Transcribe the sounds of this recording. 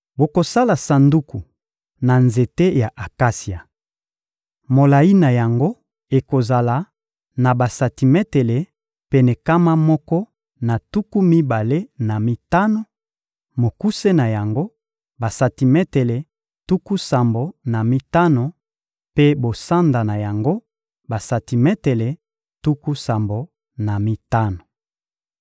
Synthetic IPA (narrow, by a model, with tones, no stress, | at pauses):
bo˨ko˨sa˦la˨sa˨ndu˦ku˨ | na˨nze˨te˦ja˨ʔa˨ka˦si˨a˨ | mo˨la˨i˦na˨ja˨ŋɡo˦ | e˨ko˨za˨la˨ | na˨ba˨sa˨ti˨mɛ˦te˨le˨ | pe˨nɛ˨ka˦ma˦mɔ˦kɔ˦ | na˨tu˦ku˦mi˦ba˨le˦na˨mi˦ta˦no˨ | mo˨ku˦se˦na˨ja˨ŋɡo˦ | ba˨sa˨ti˨mɛ˦te˨le˨ | tu˦ku˦sa˨mbo˨na˨mi˦ta˦no˨ | pe˦bo˨sa˦nda˨na˨ja˨ŋɡo˦ | ba˨sa˨ti˨mɛ˦te˨le˨ | tu˦ku˦sa˨mbo˨ | na˨mi˦ta˦no˨